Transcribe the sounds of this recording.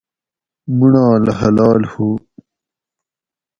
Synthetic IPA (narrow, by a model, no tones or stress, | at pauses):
muɳãːlɐhɐlɑːlhuː